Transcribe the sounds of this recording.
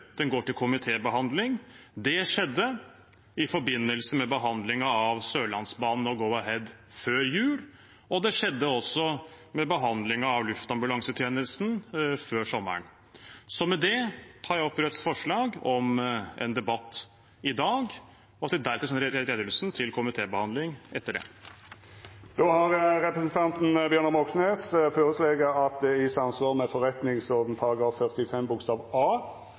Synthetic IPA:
d̪̥ɛnɡoːʈɪlkʰʊmɪt̪ʰeːbəɦɑnd̪lɪŋd̪ɛʂɛd̪ːə | ɪfɔɾbɪnːəlsəmɛbəɦɑnd̪lɪŋɑɑʋsøːlɑnsbɑːnn̩ɔɡɔʊɑɦɛd̪føːɾjʉːl | ɔd̪ɛʂɛd̪ːəɔsːɔ | mɛbəɦɑnd̪lɪŋɑɑʋlʉft̪ɑmbʉlɑŋsət̪ʰjeːnəst̪nføːʂɔmːə̰ɳ | sɔmɛd̪ɛt̪ʰɑːɾjæɪɔpːɾɛt̪sfɔʂɭɑːɡɔmɛ̰nd̪ɛbɑt̪ː | ɪd̪ɑːɡ | ɔɑt̪ːɛd̪æɾt̪ːəʂɛnːəɾɾeːd̪əlsnt̪ʰɪlkʰʊmɪt̪ʰeːbəhɑnd̪lɪŋɛt̪ːəɖɛ̰ː | d̪̥oːhɑʁʁɛpɾəsənt̪ʰɑnt̪n̩bjøːɾɳəmɔksneːsføːʁəsleɡəɑt̪̚d̪ɛɪsɑmsʋɑːʁmɛfɔʁɛt̪nɪŋsɔʁd̪n̩pʰɑʁɑɡɑːffœʁt̪ɪfɛmbʊkst̪ɑːʋɑː

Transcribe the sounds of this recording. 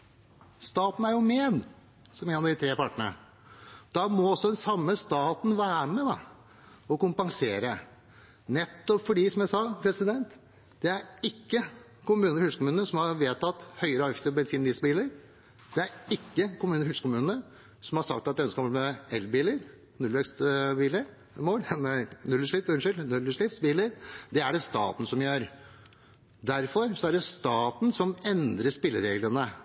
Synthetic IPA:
st̪ɑːt̪n̩æɾjʊmeːd̪ | sɔmeːnɑd̪ɪt̪ʰɾeːpɑʈəɳə̰ | d̪̥ɑmɔɔsːɔd̪ɛnsɑmːəst̪ɑːt̪n̩ʋæːɾmɛd̪ɑ̰ | ɔkʊmpɑŋseːɾə | nɛt̪ːɔpfɔɖiːsɔmjæɪsɑpʰɾɛsɪd̪ɛnt̪ | d̪̥ɛæɾɪkːə | kʊmʉːnəɾhʉskʊmʉːnəsɔmhɑɾʋeːt̪ɑt̪ːhœʏəɾəɑft̪əbɛnsiːnəd̪ɪːsbiːləɾ | d̪ɛæɾɪkːəkʊmʉːnəɾhʉlsə̥kʰʊmʉːnə | sɔmhɑsɑ̰k̚t̪ɑt̪d̪ɛœnskɔlmɛɛlbiːləɾ | nʉlʋɛkst̪biːləɾ | moːlmɛnʉlːəʂɭɪt̪ʉnʂɪlnʉlːəʂlɪfsbiːləɾd̪ɛæɖɛst̪ɑ̰ːt̪n̩sɔmjøːɾ | d̪æɾfɔɾsɔæɖɛst̪ɑːt̪n̩sɔmɛnd̪ɾəʂpɪlːəɾeːɡlənə

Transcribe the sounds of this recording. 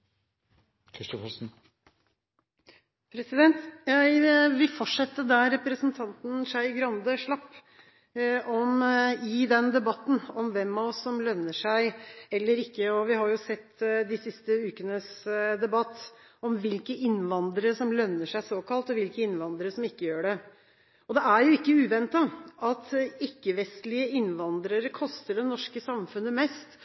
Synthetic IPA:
kʰɾɪʂt̪ɔfɔsn̩ | pʰɾɛsɪd̪ɛnt̪jæɪʋɪlfɔʈʂɛt̪ːəd̪æɾɛpɾəsənt̪ʰɑnt̪n̩ʂæɪɡɾɑnd̪əʂɭɑpː | ʔɔmɪd̪ɛnd̪ɛbɑt̪ːn̩ɔmʋɛmːɑʋɔsːɔmlœnːəʂæɪɛlːəɾɪkːəɔʋɪhɑɾjʊsɛt̪ːd̪ɪsɪst̪əʉːkənəsd̪ɛbɑt̪ːɔmʋɪlkəʔɪnːʋɑnd̪ɾəʂɔmlœnːəʂæɪsoːkɑlt̪ɔʋɪlkəɪnʋɑnd̪ɾəʂɔmɪkːəjøːɖɛ | ɔd̪ɛæɾjʊɪkːəʉːʋɛnt̪ɑɑt̪ɪkːəʋɛst̪lɪəɪnʋɑnd̪ɾəɾəkʰɔst̪əɖɛnɔʂkəsɑmfʉnːəmɛst̪

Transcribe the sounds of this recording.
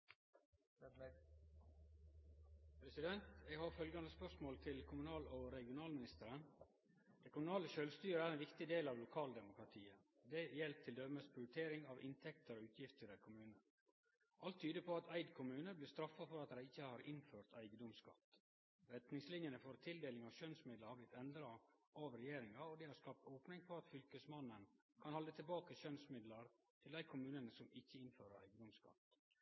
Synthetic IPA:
pʰɾɛsɪd̪ɛnt̪ɛɡhɑːɾfœlɡɑnd̪əspœʂmoːlt̪ʰɪlkʰʊmʉnɑːloɾɛɡɪʊnɑːlmɪnɪst̪əɾən | d̪̥ɛɪkʊmʉnɑːləʃœlʋst̪yːɾəæːɾɛnʋɪkt̪ɪd̪eːlɑːʋlʊkʰɑːld̪ɛmʊkɾɑt̪ʰiːə | d̪ɛjɛlp̚t̪ʰɪld̪œməspʰɾɪʊɾɪt̪ʰeːɾɪŋɑʋʔɪ̰nt̪ʰɛkt̪əɾoːʉːt̪ʰjɪft̪əɾɛkʰʊmʉːnə | ʔɑlt̪ʰːyːd̪əpʰɔɑt̪ʰæɪd̪kʰʊmʉːnəblɪst̪ɾɑfːɑfɔɾɑt̪dæɪɪçːəhɑɾʔɪnføːɾt̪æɪɡəd̪ʊmskɑ̰t̪ː | ɾɛt̪nɪŋslɪnjənəfɔɾt̪ʰɪld̪eːlɪŋɑʋʃœnsmɪd̪ləɑblɪt̪ɛnd̪ɾɑʔɑʋɾɛjeːɾɪŋɑod̪ɛhɑɾskɑp̚t̪oːpnɪŋfɔɾɑt̪fʏlkəsmɑnən | kʰɑnhɔlːət̪ʰɪlbɑːkəʃœnsmɪd̪lɑɾ | t̪ʰɪlæɪkʰʊmʉːnənəsɔmɪçːəɪnføːɾəɾæ̰ɪɡəd̪ʊmskɑ̰t̪ː

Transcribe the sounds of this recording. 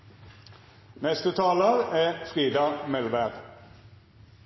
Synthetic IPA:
nɛst̪ət̪ʰɑːləʁæːfʁiːd̪ɑmɛlʋæʁ

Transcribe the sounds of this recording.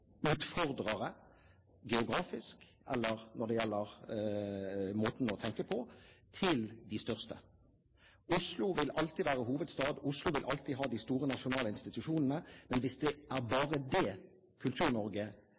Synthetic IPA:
ʉːt̪fɔʁd̪ʁəʁə | ɡɛʊɡʁɑːfɪsk | ʔɛ̰lːəʁnɔʁd̪ɛjɛlːəʁ | moːt̪n̩ɔt̪ʰɛŋkəpʰɔt̪ʰɪld̪ɪst̪œʁst̪ə | ʊslʊʋɪlʔɑlt̪iʋæːʁəɦuːʋəd̪st̪ɑːd̪ʊslʊʋɪlʔɑlt̪iːɦɑːd̪ɪst̪uːʁənɑʃʊnɑːləɪnst̪ɪt̪ʉʂuːnən̩əmɛnʋɪsd̪ɛæʁbɑːʁəd̪ɛ | kʰʉlt̪ʰʉːʁnɔʁɡə

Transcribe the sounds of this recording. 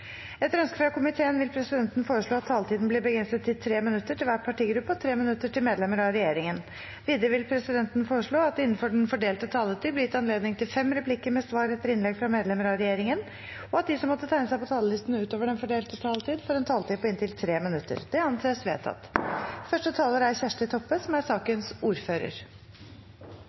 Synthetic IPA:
ɛt̪ɾœnskəfɾɑkʊmɪt̪ʰeːənʋɪlpʰɾɛsɪd̪ɛnt̪nfoːɾəʂɭoːɑt̪ʰːɑːlət̪iːd̪n̩blɪbəɡɾɛnst̪ət̪ʰːɪlt̪ʰɾeːmɪnʉt̪ːəʈʰɪlʋæːʈ̚pʰɑʈiːɡɾʉpːəɔt̪ʰɾeːmɪnʉt̪ːəʈʰɪlmeːd̪lɛməɾɑɾɛjeːɾɪŋən | ʋiːd̪əɾəʋɪlpʰɾɛsɪd̪ɛnt̪ənfoːɾəʂɭoːɑt̪ɪnːənfɔɖɛnfɔɖeːlt̪ət̪ʰɑːlət̪ʰyːblɪt̪ɑnleːd̪nɪŋt̪ʰɪlfɛmːɾɛpʰlɪkːəɾmɛsʋɑːɾɛt̪ːəɾɪnlɛɡfɾɑmeːd̪lɛməɾɑɾɛjeːɾɪŋən | ɔɑt̪̚d̪ɪsɔmːɔt̪ːət̪ʰæɪnəsæɪpɔt̪ʰɑːləlɪst̪ənəʉːt̪oːʋəɖɛnfɔɖeːlt̪ət̪ʰɑːlət̪ʰiːd̪fɔɾɛnt̪ʰɑːlət̪ʰiːpʰɔɪnt̪ɪlt̪ʰɾeːmɪnʉt̪ːə̰ɾd̪̥ɛɑnseːsʋḛːt̪ʰɑ̰t̪ːfœʂʈət̪ʰɑːləɾæɾçæʂʈət̪ʰɔpːəsɔmæɾsɑːkənsuːɾføːɾə̰ɾ

